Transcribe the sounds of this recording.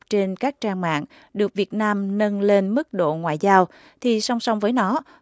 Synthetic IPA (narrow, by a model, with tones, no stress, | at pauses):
t͡ɕe˧nkaː˦˥k̚t͡ɕaː˧ŋma̰ː˧˨ŋ | ɗɨ˨˩ək̚vi˨˩ət̚naː˧mnə˧nle˧nmɨ˦˥k̚ɗo̰˧˨ŋwa̰ː˧˨jzaː˧w | t̪ʰi˨˩sa˧wŋ͡msa˧wŋ͡mvəː˨˦jnɔ˨˦